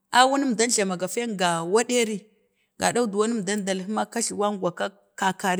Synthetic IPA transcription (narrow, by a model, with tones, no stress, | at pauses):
a˦wu˦ni˦m˨da˦n˨ɬa˨ma˨ɡa˨fe˦ŋɡa˨wa˦ɗe˦ɾi˦ | ɡa̰˨da˦u˦du˨wa˦ni˦m˨da˦nda˨li˦ma˦ka˦ʃi˨wa˦ŋɡʷa˨ka˦ | ka˨ka˨ɾi˦